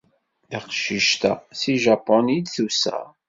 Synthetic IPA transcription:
iqʃiʃt̪æ̰siʒɑpːɔnid̪θusæ̰

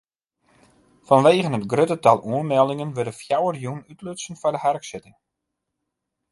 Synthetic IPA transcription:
fɔnʋeːɣənɦətɡrøtətalˠuənmɛlˠdɪŋənʋødəfjawərjunytløsən̩fɔrdəhɛrksɪtɪŋ

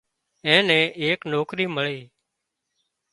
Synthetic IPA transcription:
ɛ̃ːnɛ̃ːʔeːknoːkɾiːməɭeː

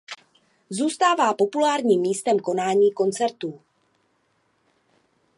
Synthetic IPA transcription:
zuːst̪aːvaːpo̞pulaːɾɲiːmːiːst̪ɛmko̞naːɲiːko̞nt͡sɛɾt̪uː

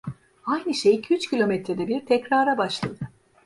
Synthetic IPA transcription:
ajnɯʃejcʰyt͡ʃcʰilʲo̞mɛt̪ɾed̪ɛbiɾt̪ʰɛcɾaːɾabaʃlˠad̪ɯ

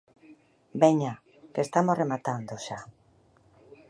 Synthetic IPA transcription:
beɲa | kest̪amosremat̪and̪oʃa

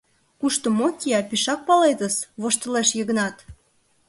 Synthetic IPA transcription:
kuʃt̪omokʲiɑpiʃɑk̚pɑlet̪əsβoʃt̪ə̆leʃjəɣə̆nɑt̪

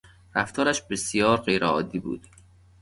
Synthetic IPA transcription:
ɾæft̪ʰɒːɾæʃbesijɒːɾɢejɾeɒːd̪iːbṵːd̪̥

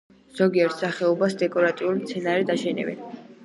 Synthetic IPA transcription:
z̥ɔɡiɛɾt̪saχɛɔbasd̪ɛkʼɔɾat̪ʼiulimt̪sʰɛnaɾɛd̪aʃɛnɛ̰bɛ̰n

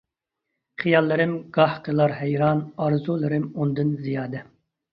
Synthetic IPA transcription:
χijɑlˠːɨɾɪmɡɑhqʰəlˠɑɾɦɛjɾɑnɑɾzulˠɨɾɪmund̪ɨnzijɑːd̪ɛ

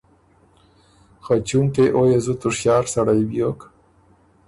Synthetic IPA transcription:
xat͡ʃuŋkeʔojezut̪ʊʂjɑːɾsaɽajbjok

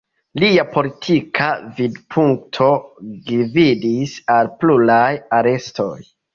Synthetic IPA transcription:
liapo̞litʰikʰavidpʰuŋtʰo̞ɡividisalpluɾajaɾe̞sto̞̰j

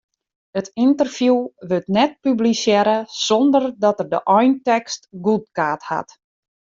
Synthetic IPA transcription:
ətintərfjuʋøtnɛt̚pyblisjɛɾəsɔndərdɔtərdəʔɔjntɛkstɡut̚kaːtha̰t

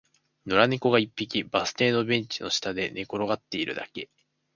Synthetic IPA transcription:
noɾaneko̞ɡaipʲːikʲibasɨ̥t̪e̞ːno̞bẽ̞ɲ̟t͡ɕino̞ɕi̥t̪ad̪e̞ne̞ko̞ɾo̞ɡat̪ːe̞iɾɯ̟d̪a̰ke̞

